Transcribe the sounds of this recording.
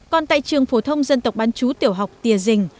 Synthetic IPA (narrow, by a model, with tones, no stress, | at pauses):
kɔ˧˩nt̪a̰ː˧˨jt͡ɕɨ˨˩əŋfo˧˩t̪ʰə˧wŋ͡mzə˧nt̪ə˨˩wk͡p̚ɓaː˨˦nt͡ɕu˨˦t̪i˨˧˩əwɦa˨˩wk͡p̚t̪i˨˧˩əzï˨˩ŋ̟